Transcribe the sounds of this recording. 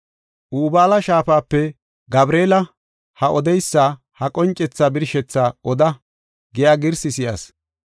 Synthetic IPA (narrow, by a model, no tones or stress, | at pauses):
ʔuːbaːlɐʃaːfaːpːɛ | ɡɐbɾeːlɐ | hɐʔɔd̪ɛjsːaː | hɐkʼɔnt͡ʃʼːɛt͡sːaːbɪɾʃɛt͡sːaːʔɔd̪ɐ | ɡɛjaːɡɪɾsɪsɪja̰ːs